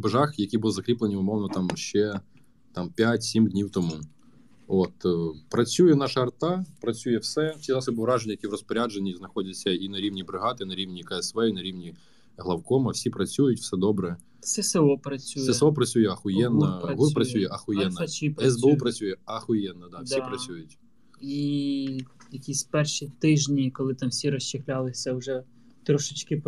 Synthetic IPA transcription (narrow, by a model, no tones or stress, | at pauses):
beʒɑxjɐkʲibʊlˠzɐkɾʲiplˠenʲiʊmɔwnɔt̪ɑmʃt͡ʃɛ | t̪ɑmpʲatʲsʲimdʲnʲiwt̪ɔmu | ɔt̪pɾɐt͡sʲujɛnɑʃɐɐrt̪ɑpɾɐt͡sʲujɛwsɛsʲizɑsɔbɪɾɑʒenʲːɐjɐkʲiwɾɔspɔɾʲad͡ʒenʲːiznɐxɔdʲɐt͡sʲːɐinɐɾʲiwnʲibɾɪɦɑt̪ɪnɐɾʲiwnʲikɐɛsʋɛinɐɾʲiwnʲi | ɦlˠɐwkɔmɐwsʲipɾɐt͡sʲujʊtʲw̥sɛd̪ɔbɾɛ | sɛseɔpɾɐt͡sʲːusjɛɛsɔpɾɐt͡sʲujɛɐxʊjɛnːɐɐɦupɾɐsʲujɛʔɐxʊjɛnnːɐt͡ʃipɛzbeupɾɐt͡sʲujɛɐxʊjɛnːɐd̪ɑwsʲipɾɐsʲujʊtʲ | i | jɐkʲisʲpɛrʃit̪ɪʒnʲikɔlˠɪt̪ɑmsʲiɾɔʃt͡ʃɪxlʲalˠɪsʲɐwʒɛ | t̪ɾɔʃɪt͡ʃkɪ